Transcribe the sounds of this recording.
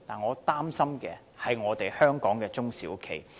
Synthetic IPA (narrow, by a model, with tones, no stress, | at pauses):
t̪aː˨nŋɔː˨˧t̪aː˥msɐ˥mkɛ̰ː˧ | hɐ˨jŋɔː˨˧t̪e˨jhœː˥ŋkɔː˨˥ŋkɛː˧t͡sʊ˥ŋsiː˨˥wkʰḛ˨˩j